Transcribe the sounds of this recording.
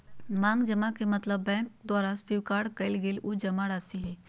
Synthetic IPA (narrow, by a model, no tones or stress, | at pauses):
mãːŋɡd͡ʒɐmakemɐt̪ləbːɛ̃ːk̚d̪waːɾasiwkaːɽkɐɪlɡeːlud͡ʒɐmaɽaːsiɦɛː